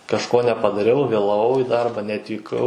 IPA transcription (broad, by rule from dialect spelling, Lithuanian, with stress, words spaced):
kɐʃˈkoː nʲɛpɐdɐˈrʲɛʊ ʋʲeːlˠɐˈʋɐʊ iː ˈdɐrbɐ nʲɛɐtʲʋʲiːˈkɐʊ